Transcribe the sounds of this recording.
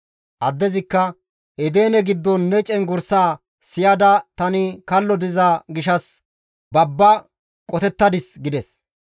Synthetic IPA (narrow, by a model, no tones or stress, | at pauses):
ʔɐd̪ːɛzɪkːɐ | ɛd̪eːnɛɡɪd̪ːɔnːɛt͡ʃʼɛnɡʊɾsaː | sɪjɐd̪ɐt̪ɐnɪkɐlːɔd̪ɪzɐɡɪʃɐs | bɐbːɐ | kʼɔt̪ɛt̪ːɐd̪ɪsɡɪd̪ɛs